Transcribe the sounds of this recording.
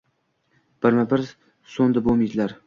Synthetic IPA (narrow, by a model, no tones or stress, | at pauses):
b̥ɪɾmabɪɾ | sond̪abomid̪ɪlaɾ